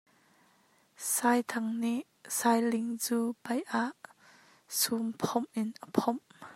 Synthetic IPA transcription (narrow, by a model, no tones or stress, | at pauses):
saːjt̪ʰɐŋniʔ | saːjlɪŋt͡suːpɐjʔaʔ | sumpʰɔmʔɪnʔəpʰɔm